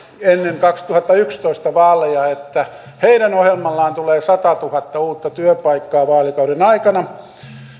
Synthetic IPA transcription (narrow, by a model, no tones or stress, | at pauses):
enːeŋkɑkst̪uhɑt̪ːɑykst̪oist̪ɑʋɑːlejɑet̪ːæ | heiɾænohjelmɑlːɑːnt̪uleːsɑt̪ɑt̪uhɑt̪ːɑuːt̪ːɑt̪yøpɑikːɑːʋɑːlikɑuɾenɑikɑnɑ